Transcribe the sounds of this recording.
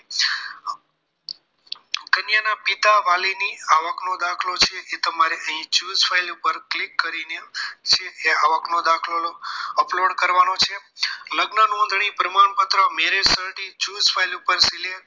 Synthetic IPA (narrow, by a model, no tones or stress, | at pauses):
kənjanapit̪aʋaliniaʋəknod̪akʰlot͡ʃʰeʔet̪əmaɾeəɦĩt͡ʃuːzfʰailupəɾklikːəɾinet͡ʃʰeeaʋəknod̪akʰlooəploɖkəɾʋanot͡ʃʰeləɡnənõnd̪ʱɳ̃ipɾəmaɳpət̪ɾəmeɾesəɾɖit͡ʃuːzfʰajlupəɾsile